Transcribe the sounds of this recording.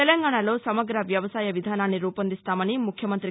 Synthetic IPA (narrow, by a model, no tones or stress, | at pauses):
elɐŋɡaːɳalo̞ːsɐmɐɡɾɐʋjɐʋɐsaːjɐʋid̪ʱaːnaːnːiɾuːpɐnd̪ist̪aːmɐnimukʰjɐmɐnt̪ɾi